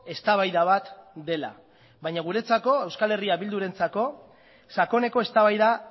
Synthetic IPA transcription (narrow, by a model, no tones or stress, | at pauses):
e̞st̪aβajðaβat̪d̪e̞la̰ | βajɲaɣ̞uɾe̞t͡sako̞ewskale̞riaβild̪uɾe̞nt͡sako̞ | sako̞ne̞ko̞e̞st̪aβajða